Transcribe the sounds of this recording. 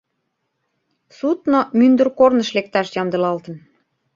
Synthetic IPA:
sut̪nomynd̪ə̆rkornə̆ʃlek̚t̪ɑʃjɑmd̪ɤ̆lɑlt̪ə̆n

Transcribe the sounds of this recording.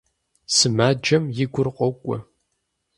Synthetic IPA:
sɨmaːd͡ʒɐmjɪɡʷʊrqʷʼɔwkʷʼɔ

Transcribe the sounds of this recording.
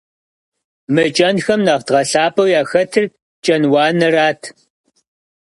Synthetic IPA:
mɨt͡ʃʼɐnxɐmnɐʁtʁɐɬaːpʼɐwjaːxɐtʰɨr | t͡ʃʼɐnwɑːnɨraːtʰ

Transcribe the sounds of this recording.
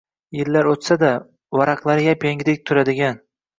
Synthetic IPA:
jɪllːaɾot̪sad̪a | wɒɾɑqlˠaɾɪɡʲapʰeŋɡʲd̪ek̚ʲt̪ʰʊɾad̪ɪɡʲan

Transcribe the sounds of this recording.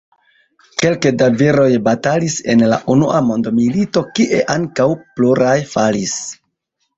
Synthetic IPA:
ke̞lkedaviɾo̞jbatalise̞̰nla̰ʔunuʔamo̞ndomilito̞kiʔe̞ʔaŋkawpluɾajfalis

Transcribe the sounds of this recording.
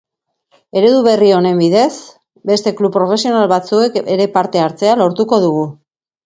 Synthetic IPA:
e̞ɾe̞ðuβ̞e̞rio̞ne̞mbiðe̞s | be̞st̪e̞klupːɾo̞fe̞sio̞nalβat͡sue̞keɾe̞paɾt̪e̞aɾt͡se̞alo̞ɾt̪uko̞ðuɣ̞u

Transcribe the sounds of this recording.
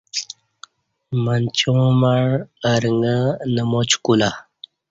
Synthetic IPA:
mənt͡ɕõmaɻːɾŋɡənəmot͡ɕkula

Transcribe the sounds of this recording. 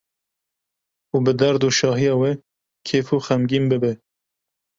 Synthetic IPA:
uːbɨd̪æɾd̪uːʃɑːɦijɑːwɛ | kʰeːfuxɛmɡiːmbɨbɛ

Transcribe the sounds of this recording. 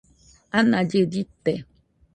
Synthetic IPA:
anad͡ʒeditɛ

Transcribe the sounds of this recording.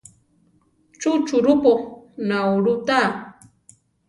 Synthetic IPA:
t͡ʃʊt͡ʃʊɾʊponawɾʊt̪aː

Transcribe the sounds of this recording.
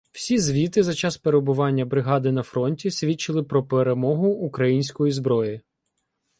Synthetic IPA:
w̥sʲizʋʲit̪ɪzɐt͡ʃɑspeɾeɔbʊʋɑnʲːɐbɾɪɦɑd̪ɪnɐfɾɔnʲtʲisʲʋʲit͡ʃɪlˠɪpɾɔpeɾemɔɦʊːkɾɐjinʲsʲkɔjizbɾɔji

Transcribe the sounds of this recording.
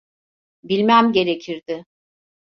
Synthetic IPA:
bilʲmæmɟe̞ɾe̞cʰiɾd̪ɪ

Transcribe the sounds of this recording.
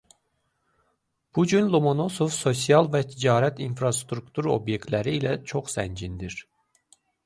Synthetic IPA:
b̥ud͡ʒynlˠomono̞sofso̞sijɑlˠvɛt̪ʰid͡ʒɑːɾæt̪ʰinfɾɑst̪ɾukt̪ʰuɾo̞̰bjek̚t̪læɾiːlɛt͡ʃʰoχsænd͡ʒind̪iɾ

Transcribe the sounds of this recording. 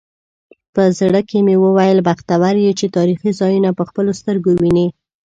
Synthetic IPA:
pəzɽəkemewəwajəlbaxt̪awaɾjet͡ʃet̪ɑɾixizɑjunapəxpəlost̪əɾɡowine

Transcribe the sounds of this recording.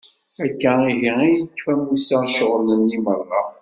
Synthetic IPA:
ækːæiʝiæjəkːfæmusæʃəʁnənːimərˤːɑ

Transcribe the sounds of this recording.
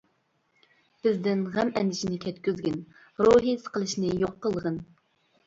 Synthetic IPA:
b̥ɪzd̪ɪnʁɛmɛnd̪ɪʃinɪkʲʰɛt̪̚kʲyzɡʲɪn | ɾoɦisə̥qəlˠɨʃnɨjoqːəlˠəʁən

